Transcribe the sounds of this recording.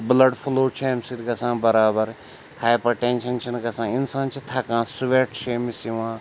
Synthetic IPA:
blɐɖfʰuloːt͡ʃʰeːmsiɾkɐsãːbɐɾaːbɐɾ | haːjpɐʈẽːnʃɐnʃɐnkɐsãːɪnsaːnt͡ʃʰit̪ʰɐkãːsʊʋeːʈʃeːmisiʋãː

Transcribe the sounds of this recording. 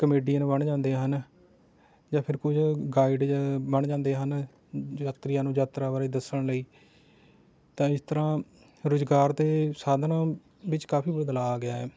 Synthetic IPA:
kəmeːɖijãːñːbəɳd͡ʒãːnd̪eːɦən | d͡ʒãːpʰɪɾkʊd͡ʒʰɡaːɪɖbəɳd͡ʒãːnd̪eːɦən | aːt̪ɾɪjãːnũːd͡ʒaːt̪ɾaːbaːɾeːd̪əsəɳ̃ləiː | t̪ãːɪst̪əɾãː | ɾʊzɡaːɾt̪eːsaːd̪nãː | bɪt͡ʃkaːpʰiːbəd̪laːɡɪaːɛː

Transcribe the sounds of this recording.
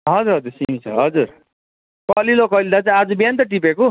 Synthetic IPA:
ɦʌd͡zuɾɦʌd͡zuɾsimit͡sʰʌɦʌd͡zuɾ | kʌlilokʌlid̪at͡sãad͡zubiant̪ʌʈ̬ipeko

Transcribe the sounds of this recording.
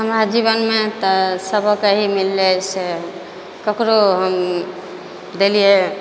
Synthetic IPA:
ɦəmɾad͡ʒiβənmet̪ɔsəbʱəkeɦimilːese | kəkɾoɦəm | d̪elie

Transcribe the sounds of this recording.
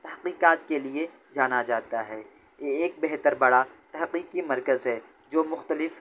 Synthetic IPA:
t̪ɐɦqiːqaːt̪kelie | d͡ʒaːnad͡ʒaːt̪aɦɛː | jeːk̚bɛɦt̪əɾbɐɽat̪ɐɦqiːqimɐɾkəzɦɛd͡ʒoːmʊxt̪əlɪf

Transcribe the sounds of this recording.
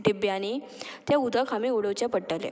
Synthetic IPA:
ʈibjañi | t̪jaud̪ʱakʰamiuɽəʋt͡ɕjapəʈːəlḛ

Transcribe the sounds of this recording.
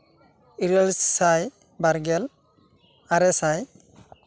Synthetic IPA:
iɾalssaj | baɾɡɛl | aɾɛsaj

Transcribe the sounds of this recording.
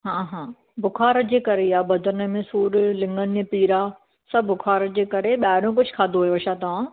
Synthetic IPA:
ɦãːɦãː | bʊkʰaːɾəd͡ʑeːkɐɾejaːbɐd̪ʱəɾnə̆mẽsuːɾlɪ̃ŋɡənpiːɾaː | sɐbbʊkʰaːɾəd͡ʑeːkɐɾeɓaːɾõk̬ʊd͡ʑʱkʰaːd̪oɦujoɐʃat̪ɐʋã

